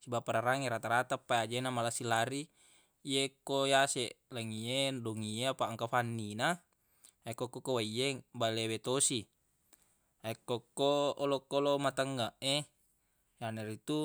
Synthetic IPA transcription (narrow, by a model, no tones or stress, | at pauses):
sibapaɾaɾaŋeɾat̪aɾat̪apːajad͡ʒenamalasilaɾi | ijekːojaseʔlaŋiedoŋiapaŋkafanːina | ekːokːokːowaiebalewet̪osi | aekːokːoolokːolomat̪aŋɡaʔe | janeɾit̪u